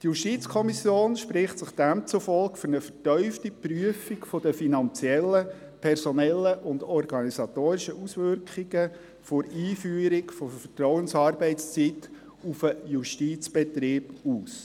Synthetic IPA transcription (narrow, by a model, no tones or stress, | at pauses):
t̪juʃtit͡skʰɔmisjoːnʃprɪχtsɪχd̥æmt͡sufɔlkfʏɾnəfətœʏftipryəfikfod̥̪əfinɑnt͡sjɛlːə | pʰɛrsɔnɛlːəʔʊnd̪ɔrɡ̥ɑnisɑt̪oːɾɪʃəʔusʋʏrkχiɡ̥ə | fʊɾiːfyːəɾikfofətɾɔʊənsɑːrbɛɪst͡sit̪ː | ufəjuʃtit͡sb̥ɛt̪ɾɪːb̥uːs